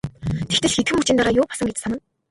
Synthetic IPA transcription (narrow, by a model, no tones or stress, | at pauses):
t̪ʰext̪ɘ̆ɮxet̪̚xɘ̆mut͡ɕĭnt̪aɾaːjʊːpasə̆ŋɡet͡ɕsanə̆n